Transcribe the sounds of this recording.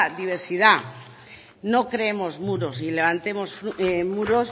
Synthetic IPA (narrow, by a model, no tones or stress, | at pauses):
ðiβ̞eɾsiða | nokɾeemozmuɾosileβ̞ant̪emosfɾemuɾos